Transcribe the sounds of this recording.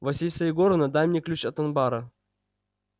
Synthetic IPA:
vɐsʲilʲsɐjɪɡoɾnɐd̪amʲnʲɪklʲut͡ɕɐt̪ɐnbaɾɐ

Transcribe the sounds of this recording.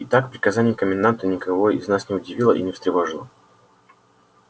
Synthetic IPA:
ɪt̪akpɾʲɪkɐzanʲɪjmkəmʲɪnd̪ant̪ənʲɪkɐvoɪ̰znasnʲɪʊdʲɪvʲilˠə̰ʔḭnʲɪfst̪ɾʲɪvɐʐɨlˠə̰

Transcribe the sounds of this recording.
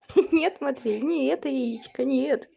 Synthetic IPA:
nʲet̪mɐt̪vʲilʲnʲɪɛt̪əjeit͡ɕkənʲet̪

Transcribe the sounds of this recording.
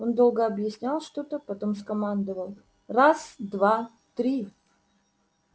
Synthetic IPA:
o̞nd̪o̞lˠɡəɐbjɪsʲnʲalˠʂt̪ot̪əpɐt̪o̞mskɐmand̪əvəlˠ | rasd̪va | t̪ɾʲi

